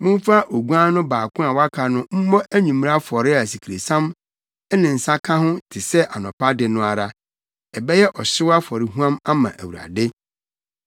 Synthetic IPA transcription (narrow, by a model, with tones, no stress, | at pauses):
mʊ̃˦m̩˦fa˦ʔo˨ɡu˦ã˦nʊ̃˦baː˨kʰʊ̃˦a˨wa˦kʰa˨nʊ̃˦m̩˦mɔ˦ʔæ˦ɲĩ˨m̃˦ɾa˦fɔ˨ɾɪ˦a˨si˨kʰi˨ɾe˨sã˦m˦ | nɪ̃˨n̩˨sa˦kʰa˦hʊ̃˦tʰɪ˨sɛ˦ʔa˨nɔ̃˨pa˦dɪ˨nʊ̃˦a˨ɾa˨ | ɛ˨bɛ˦jɛ˦ʔɔ˨ɕɪ˦wa˦fɔ˨ɾɪ˦ɦũ˦ã˦ma˦mã˨ʔæ̰˨wu˨ɾa̰˨dɪ˦